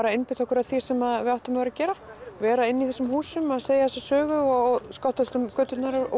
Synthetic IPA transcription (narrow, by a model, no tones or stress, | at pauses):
ɾaɪnpɪt̪ʰɔhkʏɾaðθi̥sɛmaðvɪawht̪amvaɾacɛːɾavɛːɾaɪnːiθɛsːʏmhuːsʏmaðseːjaθɛsɛ̥sœːɣʏɔskawht̪st̪ʏmkœːt̪ʏt̪naɾ